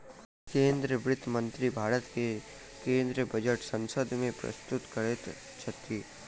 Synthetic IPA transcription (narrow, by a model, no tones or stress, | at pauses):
kẽːnd̪ɾəʋɾɪt̪ʰːəmə̃nt̪ɾibʱaːɾət̪ke | kẽːnd̪ɾəbʱɐd͡ʒəʈsə̃nsəd̪ʱmẽpɾɐ̰st̪ʊt̪kɐɽet̪ | t͡ʃʰət̪i